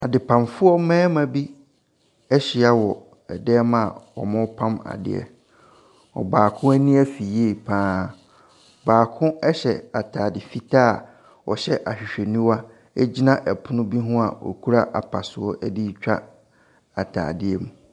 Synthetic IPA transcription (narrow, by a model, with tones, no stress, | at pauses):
a˨dɪ˨pʰã˨mfʊ˦ɔ˦mɛ̃ː˦mã˨bi˦ | ɛ˦ɕɪ˨a˦wɔ˨ | ɛ˨dɛ˦mã˦˨ɔ̰˨mʊ̃˦pʰã˦ma̰˨dɪ̰˦ɛ̰˨ | ɔ̰˨baː˨kʰʊ̃˦æ˦nĩ˦æ˦fi˨je˦˨pʰãː˦ | baː˨kʰʊ̃˦ɛ˦ɕɛ˨a˨tʰaː˨dɪ˨fi˦tʰa˦˨ | ɔ˨ɕɛ˦ʔa˨ɕᶣi˨ɕᶣe˨nĩ˦wa˦ | ɛ˦d͡ʑi˦nã˦ʔɛ˨pʰʊ˦nʊ̃˦bi˦ɦʊ̃˦a˨wɔ̰˨kʰu˦ɾa˦ʔa˨pʰa˨sʊ˨ɔ˦ʔɛ˦di˦t͡ɕᶣa̰˦ | a˨tʰa̰ː˨dɪ˦ɛ˨mũ˨